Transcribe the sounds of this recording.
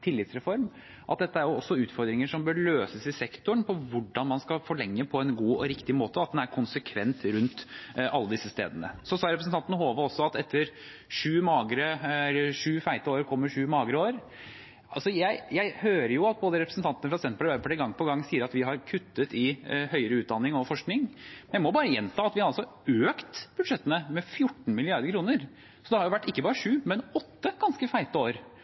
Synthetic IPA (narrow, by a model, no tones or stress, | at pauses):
t̪ʰɪlːɪt̪sɾɛfɔɾm | ʔɑ̰t̪̚d̪ɛt̪ːəæɾjʊɔsːɔʉːt̪fɔɾd̪ɾɪŋəʂɔmbøːɭøːsəsɪsɛkt̪ʊəɳpʰɔʋʊɖɑnmɑnskɑfɔɭɛŋːəpʰɔɛnɡuːɔ̰ɾɪkt̪ɪmoːt̪əɑt̪̚d̪ɛnæɾkʰʊnsəkʰʋɛnt̪ɾʉnt̪ʔɑlːəd̪ɪsːəst̪ḛːd̪ənə̰sɔsɑːɾɛpɾəsn̩t̪ɑnt̪nəɦoːʋəɔsːɔɑt̪ɛt̪ʰːəɾ | ʂʉːmɑːɡɾəʂʉːfæɪt̪əoːɾkʰɔmːəʂʉːmɑːɡɾəoːɾ | ɑsɔjæɪjæɪhøːɾəjʊɑt̪̚boːd̪əɾɛpɾəsn̩t̪ʰɑnt̪ənəfɾɑsɛnt̪pɑləʋæpʰɔɖ̪ɛɡɑŋːpʰɔɡɑŋːsiːəɾɑt̪ʋɪɦɑɾkʰʉt̪ːət̪ɪhœʏəɾəʉːt̪̚d̪ɑnːɪŋɔfɔʂknɪŋmɛnjæɪmɔbɑːɾəjɛnt̪ʰɑːɑt̪ʋɪhɑɾɑlsɔ | øːkt̪b̥ʉd̪ʂɛt̪ːənəmɛfjʊʈːɳ̩mɪlɪɑɾd̪əɾkʰɾuːnəɾ | sɔd̪ɛhɑɾjʊʋæʈːɪkːəbɑːɾəʂʉːmɛnɔt̪ːəɡ̥ɑnskəfæɪt̪əoːɾ